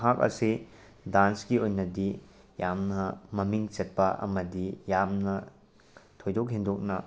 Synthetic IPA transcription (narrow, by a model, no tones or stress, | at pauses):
ɦak̚ɐ̰si | dansɡiojnɐdi | jamnɐmɐmiŋt͡ʃɐt̚pɐʔɐ̰mɐdijamnɐ | tʰojdok̚ɦindok̚nɐ